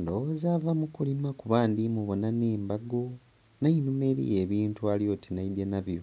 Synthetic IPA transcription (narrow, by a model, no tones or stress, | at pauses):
ndowozavamukulimakuβaːndimuβonaneːmbaɡo̞ | nainume̞ɾḭje̞ːβiːntualjo̞ːtinaidenaβjo̞